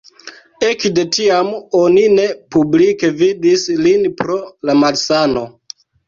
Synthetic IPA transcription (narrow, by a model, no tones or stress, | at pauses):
e̞kde̞tiamo̞nine̞publike̞vidislinpɾo̞lamalsano̞